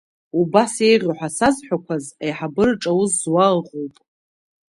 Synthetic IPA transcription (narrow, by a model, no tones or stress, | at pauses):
ubase̞jʁʲʊħʷᶣasazħʷᶣakʷʰazajħabɨrʈ͡ʂʼawʊzːwalʁowpʼ